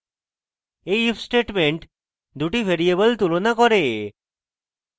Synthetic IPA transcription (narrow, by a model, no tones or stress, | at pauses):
eifsʈeʈmeɳʈ | d̪ʱuʈiʋʱeɾiebəlt̪ulonakɔɾe